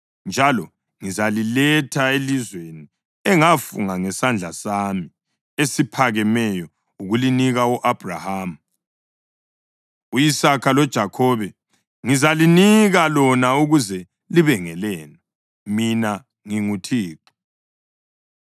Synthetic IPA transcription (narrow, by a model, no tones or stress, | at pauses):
nd͡ʒʱalɔ | ŋizalilɛtʰaelizweni | ɛŋafṵŋaŋɛsand͡ɮʱasami | esipʰaɣɛmɛjɔ | uɣuliniɣauʔab̥ʱra̰haːm̩ | ujisakʰalɔd̥ʒ̥ʱakʰɔβɛ | ŋizaliniɣalɔnauɣuzɛ | liβɛŋɛlɛːnɔ | mina | ŋiŋutʰiːǃi̥